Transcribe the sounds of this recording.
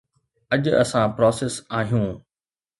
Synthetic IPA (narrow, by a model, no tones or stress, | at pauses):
ɐʄɐ̰sãpɾɔːsesaːɦijũː